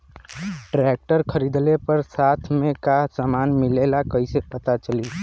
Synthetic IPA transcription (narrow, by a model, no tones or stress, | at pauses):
ʈɾeːk̚ʈəɾkʰəɾiːd̪lepəɾsaːt̪ʰmẽkasəmaːnmɪlelakəisepət̪at͡ʃəli